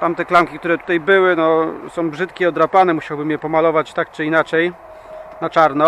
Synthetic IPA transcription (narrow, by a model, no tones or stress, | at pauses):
t̪amt̪ɛklamkʲik̚t̪uɾɛt̪u̥t̪ajbɘwɘnɔsɔ̃w̃bʐɘt̪kʲɛɔd̪ɾapanɛmuɕawbɘmjɛpɔmalɔvat͡ɕt̪ak̚t͡ʂɘinat͡ʂɛj | nat͡ʂaɾnɔ